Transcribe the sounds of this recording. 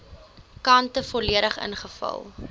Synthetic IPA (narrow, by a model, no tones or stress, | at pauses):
kɐntəfɔliəɾəχə̰nχəfɐ̰lˠ